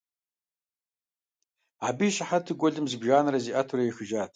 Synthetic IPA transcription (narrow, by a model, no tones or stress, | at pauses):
abijʃaħatʰɨɡʷɔɮɨmzɨbʒaːnɐɾɐziːʔɐtʰuɾɐjixɨʒaːtʰ